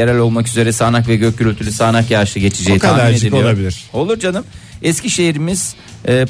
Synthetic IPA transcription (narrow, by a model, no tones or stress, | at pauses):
eɾælʲo̞lˠmakyze̞ɾɛsaːnakvɛɟøc̚ʰːylʲyt̪ʰylʲysaːnakjaɾʃɯɟe̞t͡ʃʰid͡ʒeitk̪ʰalːmæiɾneioijlˠabilʲiɾ̥o̞lˠuɾd͡ʒanɯmɛsciʃe̞jiɾimiz̥ | ɛː